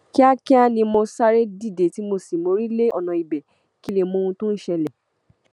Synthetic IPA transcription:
ki˦a˦kɛ˦a˦nĩ˧mo˧sa˦ɾe˦di˦˨de˨ti˨˦mo˧si˨mo˧ɾi˦le˦ɔ˦˨nã˨i˨bɛ˨ | ki˦le˦˨mõ˧ũ˧tũ˦n̩˦˨ʃɛ˧lɛ˨

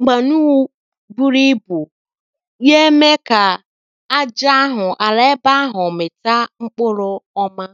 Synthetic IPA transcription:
ŋ͡m̩˨ɡ͡ba˨nu˦ | bu˦ɾi˦bu˨ | je˦me˦ka˨ | a˦d͡ʒa˦a˦ɦʊ˨ʔa˨le˦ba˦a˦ɦʊ˨mɪ˨ta˦ŋ͡m̩˦k͡pʊ˦ɾʊ˦ɔ˦ma˦

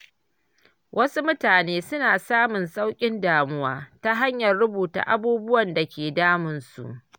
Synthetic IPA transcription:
wʔɐ˦su˦mʊ˦taː˨neː˦sʊ˦naː˨saː˦mʊ˨nsʼa˦wkʲʼɪ˦ndaː˨mʊ˦waː˦ta˦ɦa˦ɲjɐ˨rːʊ˦buː˨ta̰˨ʔa˦buː˦bʊ˦wɐ˨nda˨kʲeː˨daː˦mʊ˨nsṵ˨ʔ

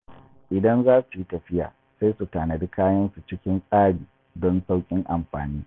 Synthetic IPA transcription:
ʔɪ˨dɐ˦nzaː˦su˨ji˦tɐ˨ɸɪ˦ja̰ː˨ | sa˦su˨taː˨nɐ˨di˦kaː˦jɐ˦nsu˨t͡ʃɪ˦kʲɪ˦nsʼaː˦ɽiː˨ | dɔ˦nsa˦wkʲʼɪ˦ŋʔa˨mɸa̰ː˨niː˦

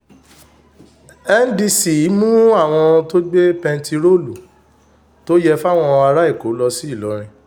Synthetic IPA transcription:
ɛ˦n˦di˧si˨˦mũ˦a˦˨w̃ɔ̃˧to˦ɡ͡be˦pɛ̃˧n˦ti˧ɾo˦˨lu˨ | to˦jɛ˦fa˦w̃ɔ̃˧a˧ɾa˦i˦˨ko˨˦lɔ˧si˦i˦˨lɔ˨˦ɾ̃ĩ˧

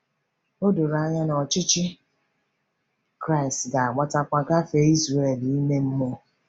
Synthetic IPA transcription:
o˦do˨ɾa˦ɲa˦nɔ˨t͡ʃɪ˦t͡ʃɪ˦ | kɾa˦ɪ˨stɡa˨a˨ɡ͡ba˦ta˦kʷa˦ka˦fe˦i˦zɾe˨e˨li˨i˦me˦m̩˦mo˦

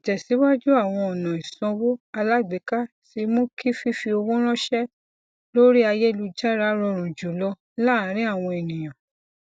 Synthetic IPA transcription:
i˨d͡ʒɛ˨si˨˦wa˦d͡ʒu˦a˦˨w̃ɔ̃˧ɔ˨nã˨i˨sɔ̃˧wo˦a˧la˦ɡ͡be˨˦ka˦ | ti˧mõ˦kʰi˦fi˦fi˧o˧wõ˦ɾ̃ɔ̃˦ʃɛ˦ | lo˦ɾi˦a˧je˦˧lu˧d͡ʒa˦ɾa˦ɾɔ˧ɾ̃ũ˨d͡ʒu˨˦lɔ˧ | la˦˨˦ɾ̃ĩ˦a˦˨w̃ɔ̃˧e˨nĩ˨j̃ã˨

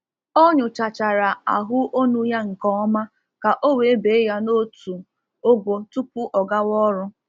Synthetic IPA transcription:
o˦ɲʊ˨t͡ʃa˨t͡ʃa˨ɾa˨a̰˨ɦʊ˦ʔo˦nu˦ja˦ŋ̩˨kɔ˦ɔ˦ma˦ | ka˨ʔo˦we˨˦be˨˦ja˦no˦tu˨ | o˦ɡʷo˨tu˦pu˦ʔɔ˨ɡa˦wɔ˦ɾʊ˦

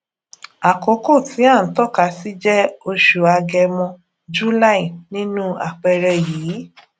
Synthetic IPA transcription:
a˨ko˨˦ko˦˨tʰi˨˦a˦˨n̩˨˦tɔ˦˨ka˨˧˨si˦d͡ʒɛ˦o˧ʃu˨a˧ɡɛ˧mɔ̃˧ | d͡ʒu˦la˦ĩ˨nĩ˦nũ˦a̰˨k͡pɛ˧ɾɛ˧jiː˨˦

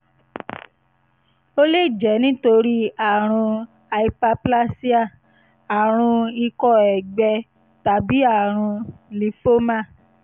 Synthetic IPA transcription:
o˦le˦˨d͡ʒɛ˨˦nĩ˦to˧ɾi˦a˨ɾ̃ũ˧ | a˧i˧pa˧pla˦si˦a˦˨ | a˨ɾ̃ũ˧i˧kɔ˦˨ɛ˨ɡ͡bɛ˧ | ta˨bi˨˦a˦˨ɾ̃ũ˧li˨˦fo˦mã˦˨

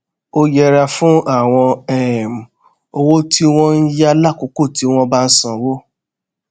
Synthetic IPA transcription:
o˦jɛ˧ɾa˧fũ˦a˦˨w̃ɔ̃˧ɛ˦˨m̩˨ | o˦˧wo˦ti˦w̃ɔ̃˦n̩˦ja˦la˦˨ku˧ko˦˨ti˨˦w̃ɔ̃˧ba˦n̩˦sɔ̃˨wo˦

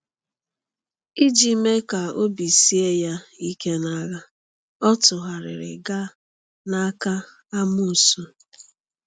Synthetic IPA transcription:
i˦d͡ʒi˦me˦ka˨o˦bi˨si˦e˦ja˦i˦ke˦na˦ɣa˦ | ɔ˦tʊ˨ɦa˨ɾɪ̰˨ɾɪ̰˨ɡa˦ | na˦ka˦ | a˦mu˦˨su˦

